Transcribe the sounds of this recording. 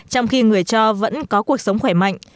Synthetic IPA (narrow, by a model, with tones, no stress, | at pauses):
t͡ɕɔ˧wŋ͡mxi˧ŋɨ˨˩əjt͡ɕɔ˧və̰˧˥nkɔ˨˦ku˨˩ək̚sə˨˦wŋ͡mxwɛː˧˩ma̰˧˨jŋ̟